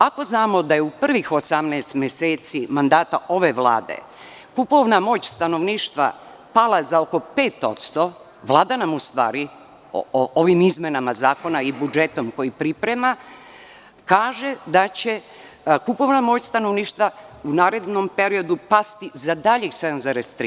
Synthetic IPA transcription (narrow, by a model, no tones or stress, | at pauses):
ako̞znaːmo̞d̪ajeupr̩ʋixo̞samneːst̪mjeseːt̪simand̪aːt̪aʔo̞ʋe̞ʋlˠa̰ːd̪e̞̰ | kupo̞ʋnamo̞ːt͡ɕst̪ano̞ʋniːʃt̪ʋa̰ | palˠazaoko̞peːt̪o̞̰t̪st̪o̞ | ʋlˠaːd̪anamust̪ʋa̰ːɾi | o̰ooʋimizmenamazaːko̞naibud͡ʒe̞t̪o̞mko̞jipɾipɾema | kaːʒe̞d̪at͡ɕe̞ | kupo̞ʋnamo̞ːt͡ɕst̪ano̞ʋniːʃt̪ʋaunaːɾe̞d̪nompe̞ɾio̞d̪upast̪izad̪aʎised̪nzaɾest̪ɾi